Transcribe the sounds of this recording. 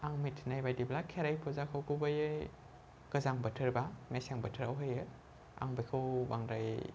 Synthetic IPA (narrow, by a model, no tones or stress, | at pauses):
aŋmitʰnajbajdiblakʰeɾajpʰuzakʰowkʰubajɯ | ɡ̥ɐzaŋbɐtʰɯɾbanajseŋbɐtʰɯɾawɦɯjɯ | a̰ŋbekʰɯwbaŋɾaj